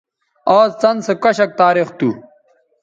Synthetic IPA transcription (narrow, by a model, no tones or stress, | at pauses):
aːst͡sɐnsekɐɕɐk̚t̪aːɾixt̪u